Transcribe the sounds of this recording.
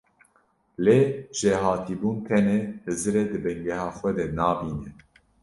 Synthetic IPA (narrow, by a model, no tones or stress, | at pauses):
leːʒ̥eɦɑːt̪ʰiːbuːnt̪ʰɛnɛhɨzɨɾed̪ɨbɛŋɡɛɦɑːxʷɛd̪ɛnɑːbiːnɛ